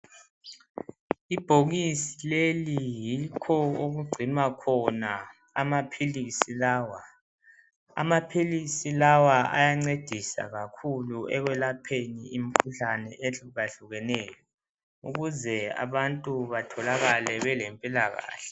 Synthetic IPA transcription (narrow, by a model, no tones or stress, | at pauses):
ib̥ʱoɣisi̥lelijikʰɔoɣuɡ͡ǀʱimakʰɔna | amapʰilisilaːwa | a̰mapʰilisilawaʔa̰jaŋ͡ǀed̥ʱisa̰ɣakʰuluɛɣwɛlapʰeniim̩kʰuɬanɛʔeɬuɣaɬuɣɛnɛːjɔ | ṵɣuzɛa̰βantʼuβatʰɔlaɣalɛβɛlempʼilaɣa̰ːɬɛ̥